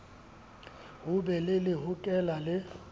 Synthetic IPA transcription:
ʊbɛlɪlɪɦʊkʼɛlalɪ

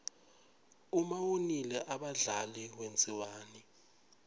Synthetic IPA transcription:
umawonilɛʔaɓaɮalɛkwent͡sʼiwaːni

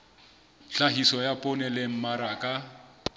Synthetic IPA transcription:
ɬaɦisɔjapʼʊnɛleŋ̩maɾakʼa

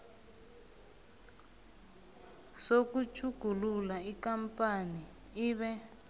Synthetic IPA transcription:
sokut͡ʃʰuɡ̥ʱululaikampani | iːβɛ

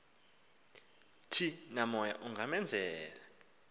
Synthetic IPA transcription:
tʰinamɔja̰ʔuŋɡʱamɛnd͡zʱɛːla

